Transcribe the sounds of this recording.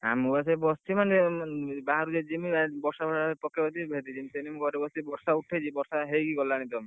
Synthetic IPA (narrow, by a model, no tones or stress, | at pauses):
a̰muas̬ebɔst̪imand͡ʒebaɦɾud͡ʒed͡ʒimiabɔɾsabʱɔpɔkʰːebɔt̪ibʱed̪id͡ʒʰimsenimɡɔɾebɔst̪ibɔɾsauʈʰːet͡ʃʰibɔɾsaɦejkiɡɔlaɽ̃ĩt̪ɔm